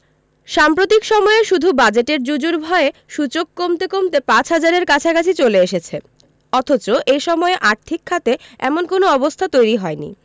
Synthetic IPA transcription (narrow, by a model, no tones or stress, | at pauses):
ʃampɾot̪ikʃɔmɔeʃud̪ʱubad͡ʑeʈeɾd͡ʑud͡ʑuɾbʱɔeʃut͡ɕokːomt̪ekomt̪epãt͡ɕʰɦad͡ʑaɾeɾkat͡ɕʰakat͡ɕʰit͡ɕoleeʃet͡ɕʰe | ɔt̪ʰot͡ɕoʔejʃɔmɔeʔaɾt̪ʰikʰːat̪eɛ̰monkonoɔbost̪ʰat̪ojɾiɦɔenḭ